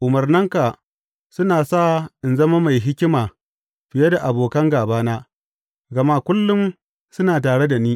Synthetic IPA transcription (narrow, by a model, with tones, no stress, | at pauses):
ʔʊ˨mɐ˨rnɪ˦ŋka˨ | sʊ˦naː˨saː˦ʔɪ˨nzɐ˦ma˦ma˨jɦɪ˦kʲɪ˦maː˨ | ɸɪ˨je˦da˨ʔa˨boː˨kɐ˦ŋɡaː˨baː˦naː˦ | ɡɐ˨ma˦kʷʊ˦lːʊ˦m | sʊ˦naː˨taː˨ɽe˦da˨niː˦